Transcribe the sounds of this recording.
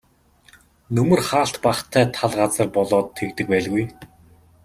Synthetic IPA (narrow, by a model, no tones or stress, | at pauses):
nɵmɵ̆rχaːɬt̪paχt̪ʰæːt̪ʰaɮʁat͡sə̆rpɔɮɔːt̪ʰːekt̪ɘ̆k̚pæːɮɣuj